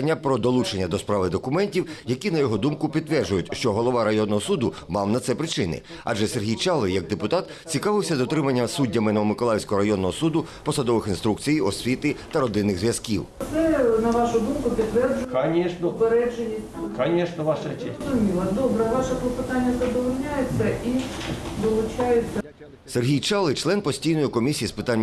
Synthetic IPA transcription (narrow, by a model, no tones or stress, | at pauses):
nʲːɐpɾɔd̪ɔlˠut͡ʃenʲːɐd̪ɔspɾɑʋɪd̪ɔkʊmɛnʲtʲiwjɐkʲinɐjɔɦɔd̪umkʊpʲid̪t̪ːʋɛrd͡ʒʊjʊtʲʃt͡ʃɔɦɔlˠɔʋɑɾɐjɔnːɔɦɔsud̪ʊ | mɑwnɐt̪sɛpɾɪt͡ʃɪnɪ̰ | ɐ̰ʒɛserɦʲijt͡ʃɑlˠɔjɐɡ̚d̪epʊt̪ɑt̪ | t͡sʲikɑʋɪwsʲɐd̪ɔt̪ɾɪmɐnʲːɐsudʲːɐmɪnɔɔmɪkɔlˠɑjwsʲkɔɦɔɾɐjɔnːɔɦɔsud̪ʊpɔsɐd̪ɔʋɪxinst̪ɾukt͡sʲijɔsʲʋʲit̪ɪt̪ɐɾɔd̪ɪnːɪɣzʋjɐskʲiwt̪sɛnɐʋɑʃʊd̪umkʊpʲidt̪ːʋɛrd͡ʒʊkɐnʲɛʃnpeɾɛd͡ʒenʲi | kɐnʲɛʃnɔʋɑʃɛt͡ʃɛzʊmʲilˠɐd̪ɔbɾɛʋɑʃɐpɔpɪt̪anʲːɐzɐd̪ɔʋɔlʲnʲajet͡sʲːɐʔid̪ɔlˠʊt͡ʃajet͡sʲːɐ | serɦʲijt͡ʃɑlˠɪt͡ʃlˠɛnpɔsʲtʲijnɔjikɔmʲisʲijispɪt̪anʲː